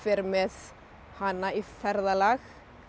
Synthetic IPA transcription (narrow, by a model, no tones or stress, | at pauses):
fɪɾmɪð | hanːaifɛɾðalax